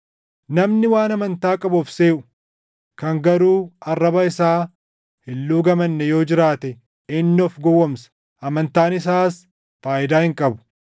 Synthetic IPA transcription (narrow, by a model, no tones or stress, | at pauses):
nɐmnɪwaːnɐmɐnt̪aːkʼɐbɔfse̞ːʔʊ̥ | kɐŋɡɐɾuːɐrːɐbɐɪsaː | hɪlːuːɡɐmɐnːɛjo̞ːd͡ʒɪɾaːt̪ɛ | ɪnːɪɔfɡɔwːɔmsɐ̥ | ɐmɐnt̪aːnɪs̬aːs | faːʔɪd̪aːhɪŋkʼɐbʊ̥